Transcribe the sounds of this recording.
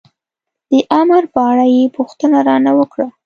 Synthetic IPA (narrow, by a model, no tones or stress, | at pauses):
d̪̥əʔamɾpəaɽajepuxt̪ənaɾɑnawəkɽa